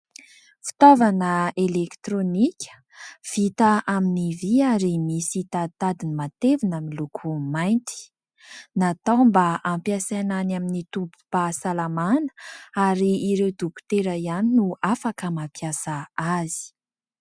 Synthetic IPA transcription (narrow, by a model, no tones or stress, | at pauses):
fi̥t̪ovanəelekt̪ɾonikʲʰə̥ | v̥it̪aʔaminiviaɾimisit̪at̪ad̪inimat̪evinamilukʰumajnt̪i̥ | nat̪awmbəampjasananaminit̪umpu̥pasalamanə̥aɾiːɾewd̪uku̥t̪eɾəianinuafakəmapjasaazi̥